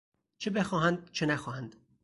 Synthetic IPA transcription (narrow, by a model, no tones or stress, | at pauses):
t͡ʃʰebe̞xɒːɦænd̪̚t͡ʃʰenæxɒːhænd̪̥